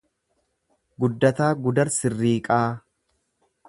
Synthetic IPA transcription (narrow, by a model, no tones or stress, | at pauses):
ɡʊd̪ːɐt̪aːɡʊd̪ɐɾsɪrːiːkʼaː